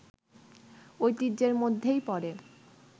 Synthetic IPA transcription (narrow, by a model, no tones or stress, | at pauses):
ojt̪id͡ʑeɾmod̪ʱːejpɔɾe